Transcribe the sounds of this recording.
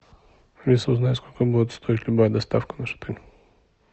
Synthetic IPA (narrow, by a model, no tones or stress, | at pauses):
vʲisʊznajʊskolʲkəbud̪ʲɪt̪st̪oɪtʲlʲʊbajəd̪ɐst̪afkənaʂɨ̥t̪anʲ